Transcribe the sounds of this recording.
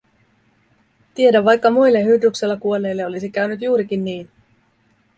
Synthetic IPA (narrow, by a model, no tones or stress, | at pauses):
t̪ie̞dæʋʋɑjkːɑmujlːe̞ɦyd̪uksilːɑkuo̞lːe̞jlːeo̞lisikæɥnyt̪juːɾik̟inːiːn